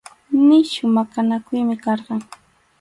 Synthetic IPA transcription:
nɪʃʊmakanakʊjmɪkɑɾɢɑŋ

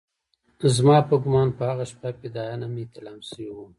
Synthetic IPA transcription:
zmɑpəɡʊmɑnpəhaɣaʃpaked̪ɑjanamet̪ɪlɑmsəwiwum

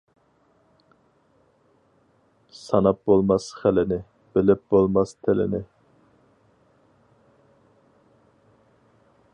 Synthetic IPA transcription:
sɑnɑp̚bolˠmɑsχælɪnɪ | b̥ɪlɪp̚bolˠmɑst̪ʰɪlɪ̰nɪ

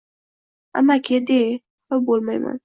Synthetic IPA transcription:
a̰makʲʰed̪e | hʊbolˠmajma̰n

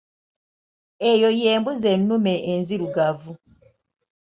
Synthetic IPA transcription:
e̞jo̞je̞ːmbuze̞nːume̞ʔːnziɾuɡavu

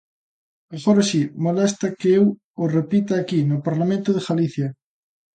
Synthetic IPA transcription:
mexoɾasimolɛst̪ɐkeew | ʊrepit̪aːkinʊpaɾlamẽnt̪ʊðeɣaliθjɐ

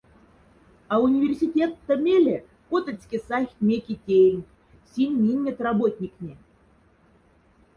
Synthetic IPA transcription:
aunʲivʲerʲsʲitʲet̪ːə̆mʲelʲe | kot̪ə̆t͡sʲkʲesaxʲmʲekʲitʲenʲ | sʲimʲinʲːet̪rabot̪ʲnʲiknʲe

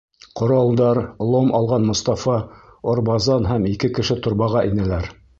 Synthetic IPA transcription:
qŏɾɑlˠd̪ɑɾlˠomʔɑlˠʁɑnmŏst̪ɑfɑŏɾbɑzɑnɦæmikɘkɘ̆ʃɘt̪ŏɾβɑʁɑʔinælæɾ

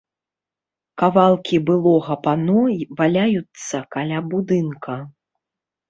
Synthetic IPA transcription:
kavalˠkʲibɨlˠɔɣɐpanɔvalʲajut̪sːɐkalʲabud̪ɨnkʰɐ

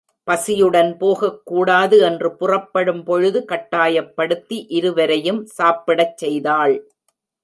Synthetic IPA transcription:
pɐsɪjɯɽɐnpoːɣɐkːuːɽaːðɯɛndrɯpʊrɐpːɐɽɯmpɔɻɯðɯkɐʈːaːjɐpːɐɽɯt̪ːiʔɪɾɯʋɐɾɐjɯmsaːpːɪɽɐt͡ʃːɛjðaːɭ

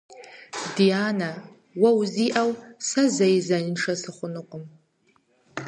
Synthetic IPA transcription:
dijaːna | wɐwziʔawsɐzɐjzɐɪnʂɐsɨχʷʊnɨqʷʼʊm

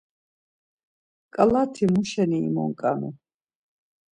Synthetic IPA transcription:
kʼlat̪ʰimuʃɛnḭːmɔ̰ŋkʼanḭ

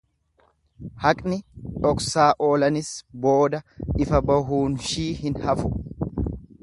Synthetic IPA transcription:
hɐkʼnɪt̪ʼɔksaːʔo̞ːlɐnɪsbo̞ːd̪ɐɪfɐbɐɦuːnʃiːhɪnhɐfʊ

